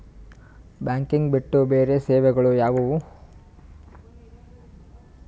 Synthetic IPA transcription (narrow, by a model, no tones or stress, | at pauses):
baːŋkiŋɡbiʈːubeːɾeseːʋɛɡɐɭujaːʋɐu